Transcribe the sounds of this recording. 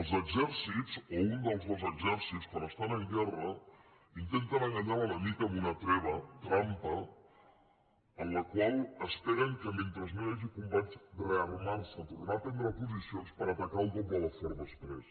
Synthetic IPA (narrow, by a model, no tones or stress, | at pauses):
əlˠzəɡzɛɾsitt͡sound̪əlˠzðəlˠzəɡzɛɾsitskwanəst̪anəŋɡɛrə | int̪ent̪ənəŋɡaɲaɾunəmikəːmunət̪ɾɛβ̞ət̪ɾampə | ənləkwalˠəspɛɾəŋkəment̪ɾəznoaʒikumbat͡ʃrəərmaɾsət̪uɣnap̪ɛnd̪ɾəpuzisionspəɾət̪akaupɔk̚d̪ələfɔɾðəsp̪ɾɛs